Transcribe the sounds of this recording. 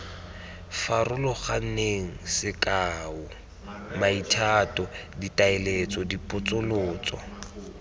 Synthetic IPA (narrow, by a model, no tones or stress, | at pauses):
farʊlɔχan̩neŋ̩sɪkʼaːʊ | maitʰatʼɔditaɪlet͡sʼɔdipʼʊt͡sʼʊlʊːt͡sʼɔ̰